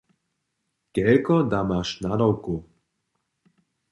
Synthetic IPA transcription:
kɛlkɔd̪amaʃnad̪ɔwku

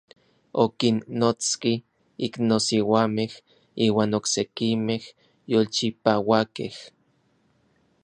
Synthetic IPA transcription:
okinːot͡ski | iknosiwameh | iːwaːnoksekimeh | jolt͡ʃipawakḛh

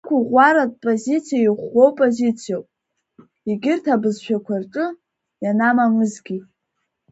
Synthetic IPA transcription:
kʷʰaʁʷaɾad̚pʼozit͡sʰijajiχʷo̞wpʼozit͡sʰijawpʼ | iɡʲɪrtʰabɨzʃᶣakʷʰarʈ͡ʂʼɨ | janamamɨzɡʲi

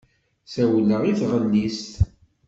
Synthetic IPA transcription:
sæwəlːəʁiθʁəlːist̪

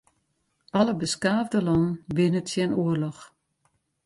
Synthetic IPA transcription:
ɑləbəskaːvdəlɔnənʋɪnətjɛnuərlɔx

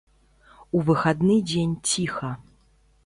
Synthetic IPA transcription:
uvɨxad̪nɨd͡zʲenʲt͡sʲixɐ

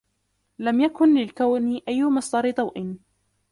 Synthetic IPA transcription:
lamjakʊnlɪlkawnɪʔajːʊmɑsˤd̪ˤɑɾɪd̪ˤɑwʔɪn

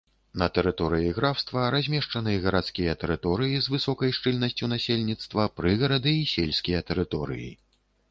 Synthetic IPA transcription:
nɐt̪ɛɾɨt̪ɔɾɨjiɣɾawst̪vɐɾazʲmʲɛʂt͡ʂɐnɨɣɐɾat̪skʲijɐt̪ɛɾɨt̪ɔɾɨjizvɨsɔkɐjʂt͡ʂɨlʲnɐsʲt͡sʲun̪asʲelʲnʲit̪st̪vɐpɾɨɣɐɾɐd̪ɨːsʲelʲsʲkʲijɐt̪ɛɾɨt̪ɔɾɨ̰jḭ

